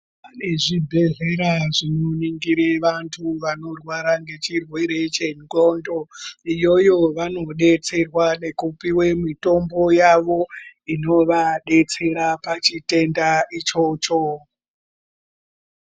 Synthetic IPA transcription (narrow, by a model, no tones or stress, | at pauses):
pane̞ʐibʱe̞ɮe̞ɾaʐinoniŋɡiɾeʋantʰuʋano̞rwaɾaŋɡe̞t͡ʃirwe̞ɾe̞t͡ʃe̞ŋɡo̞ndo̞ijo̞jo̞ʋano̞ɗe̞t͡se̞rwane̞kupiwe̞mito̞mbo̞jaʋo̞ino̞ʋaɗe̞t͡se̞ɾapat͡ʃite̞ndait͡ʃo̞ːt͡ʃo